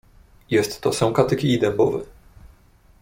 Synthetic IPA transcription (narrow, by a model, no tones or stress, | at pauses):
jɛst̪ːɔsɔ̃w̃kat̪ɘkʲiːd̪ɛmbɔvɛ̰